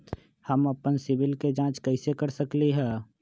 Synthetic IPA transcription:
həməpənsɪbɪlked͡ʒãːt͡ʃkəɦɪsekəɾsəkliɦɛː

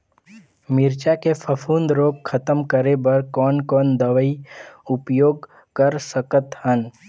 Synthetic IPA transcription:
mɪɾt͡ʃakepʰəfʰund̪ɾoːp̚kʰət̪əmkəɾebɐɾkɔːnkɔːnd̪əʋəiʊpjoːɡ | kəɾsəkət̪hən

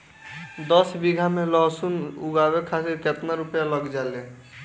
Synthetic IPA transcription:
d̪əsbiɡʱamẽlɔɦsunuɡabekʰasiɾket̪naɾupjaləɡd͡ʒale

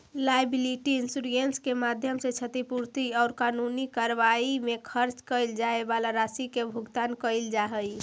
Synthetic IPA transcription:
lajbiliʈiinsuɾenskemad̪ʱjəmset͡ʃʰət̪ipuɾt̪iɔːɾkanunikəɾʋaimekʰəɾt͡ʃkəɪld͡ʒaebalaɾasikebʱuɡt̪ankəɪld͡ʒaɦəj

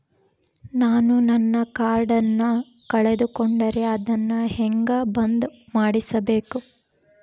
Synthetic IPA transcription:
naːnunɐnːɐkaːɾɖɐnːɐ | kɐɭed̪ukoɳɖɐɾeɐd̪ɐnːɐhɛŋɡɐbɐnd̪umaːɽisɐbe̞ːku

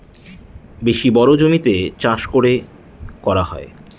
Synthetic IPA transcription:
beʃibɔɾod͡ʑomit̪et͡ɕãʃkoɾe | kɔɾaɦɔe

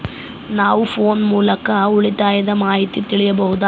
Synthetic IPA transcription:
naːʋufoːnmuːlɐkːɐuɭit̪ːaːjɐd̪ɐmaːjit̪ːit̪ːiɭɪjɐbɐɦud̪a

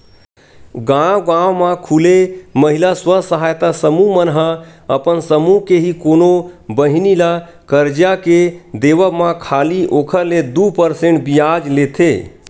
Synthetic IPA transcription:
ɡãwɡãwmakʰuleməɦilaswəsəɦajt̪asəmumənɦəəpənsəmuɦkeɦikonobəɦinila | kəɾd͡ʒjaked̪eʋəmakʰaliʔokʰəɾled̪upəɾsẽɳʈbijad͡ʒlet̪ʰḛ

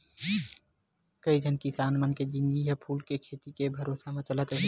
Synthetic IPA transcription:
kəid͡ʒʱənkisaːnmənked͡ʒɪ̃ŋɡiɦapʰuːlkekʰeːt̪ikebʱɐɾoːsamẽt͡ʃələt̪ɾəɦi

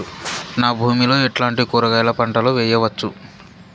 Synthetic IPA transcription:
naːbʱuːmilo̞ːeʈlaːɳʈikuːɾɐɡɐjlɐpɐɳʈɐloʋɛːjɐʋɐt͡ʃːu

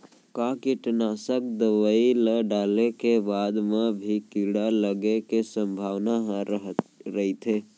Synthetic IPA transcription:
kakiʈnasək̚d̪əʋəiləɖalekebad̪mebʱikiɽaləɡekesəmbʱaʋnaɦɾɾəɦit̪ʰe

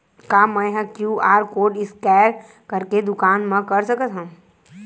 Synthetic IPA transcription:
kamə̃ɦə̃kjuaːɾkoːɖɪskɛːɾ | kəɾked̪ʊkaːnmə̃kɐɾsəkət̪ɦɐ̃

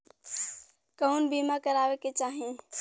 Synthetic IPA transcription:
kəunbimakəɾaːʋeket͡ʃaːɦĩ

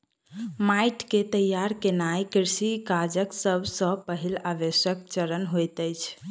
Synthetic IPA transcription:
majʈket̪əjaɾkenajkiɾsikad͡ʒəksəbʱsə̃pəɦilabesjək̚t͡ʃəɾənɦojt̪əjt͡ʃʰ

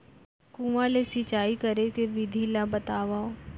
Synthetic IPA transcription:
kũːʋalesɪt͡ʃaːikɐɾekeʋɪd̪ʱilabɐt̪aːʋa

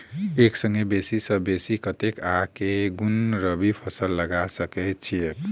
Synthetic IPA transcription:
eksəŋɡebesisə̃besikət̪ekakeɡunɾəbipʰəsəlːəɡasəkɛt̪̚t͡ʃʰi

